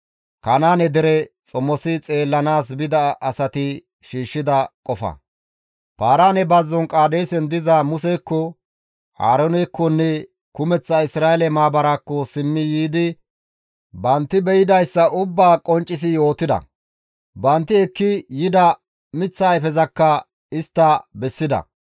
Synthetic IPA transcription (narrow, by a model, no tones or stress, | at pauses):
kɐnaːnɛd̪ɛɾɛt͡sʼɔmɔsɪt͡sʼe̞ːlːɐnaːs̬bɪd̪ɐɐsɐt̪ɪ | ʃiːʃːɪd̪ɐkʼɔfɐ̰ | paːɾaːnɛbɐzːɔnkʼaːd̪ɛjsɛnd̪ɪzamʊsɛkːɔ | ha̰ːɾɔnɛkːɔnːɛ | kʊmɛt͡sːɐɪsɾaːɛlɛmaːbɐɾakːɔsɪmːɪjiːd̪ɪ | bɐnt̪ːɪbɛjɪd̪ɐjsːɐʔʊbːaːkʼɔnt͡ʃʼːɪs̬ɪjo̞ːt̪ɪd̪ɐ̰ | bɐnt̪ːɪɛkːɪjɪd̪ɐ | mɪt͡sːaːɛfɛzɐkːɐ | ɪst̪ːɐbɛsːɪd̪ɐ̰